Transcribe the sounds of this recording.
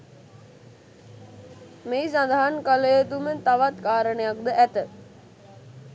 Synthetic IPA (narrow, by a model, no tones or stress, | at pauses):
meːsand̪aɦankaləjət̪umət̪aʋat̪kaːɾəɳəjak̚d̪əʔæt̪ə